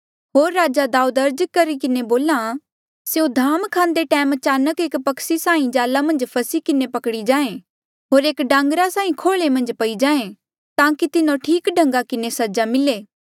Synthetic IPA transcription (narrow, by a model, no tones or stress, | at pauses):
ɦoːɾːaːd͡ʒad̪aːud̪ɐɾd͡ʒkɐɾikɪneboːla | seõd̪ʱaːmkʰãːnd̪eʈɛːmɐt͡ʃaːnəkeːkpɐksisaːĩd͡ʒaːlamɐ̃nd͡ʒpʰɐsikɪnepɐkɽid͡ʒãːẽ | ɦoːɾeːkɖãːŋɡɾasaːĩkʰoːɭemɐ̃nd͡ʒpɐid͡ʒaːẽ | t̪ãːkit̪ɪnõʈʰiːkɖʱɐ̃ŋɡakɪnesɐd͡ʒamɪleː